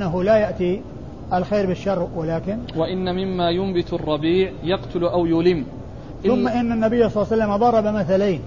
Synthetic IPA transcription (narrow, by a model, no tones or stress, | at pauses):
aɦʊlajaʔt̪i | ʔalxeːɾbɪʃːɑrˤːwalaːkɪnwaʔɪnːamɪmːaːjʊmbɪt̪rˤːɑbiːʕjɑqt̪ʊlʔawjʊlɪm | θʊmːaʔɪnːanːabɪjːasˤlːsalːamd̪ˤɑɾˤɑbamaθalaːn